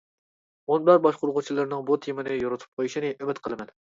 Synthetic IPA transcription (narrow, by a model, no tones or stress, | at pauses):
onbæɾbɑʃqʊɾʁʊt͡ʃʰilˠɨɾnɨŋbot̪ʰjemɨnɨjoɾɨt̪ʰu̥p̚qʰojiʃinɨʔymɪt̪qʰəlˠɨmɛn